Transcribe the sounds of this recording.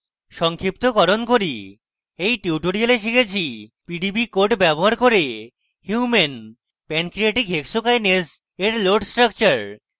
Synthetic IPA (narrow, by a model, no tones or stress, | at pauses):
ʃɔŋkʰip̚t̪okɔɾonkoɾi | ejʈiuʈoɾialeʃ̬ikʰet͡ɕʰipiɖibikoɾʈbɛboɦaɾkoɾe | hjumen | pɛnkɾiaʈikɦekʃokajned͡ʑ | eɾloɾɖsʈɾak̚t͡ɕaɾ